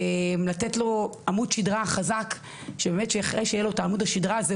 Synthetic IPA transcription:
emlatetlo̞amudʃidʁaχazak | ʃebemetʃeaχʁejʃejelo̞taːmudaʃidʁaze

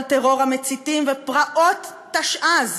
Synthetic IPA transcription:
lt̪eʁo̞ʁhamet͡sit̪imvepʁaʔo̞t̪ː | aʃʔaz

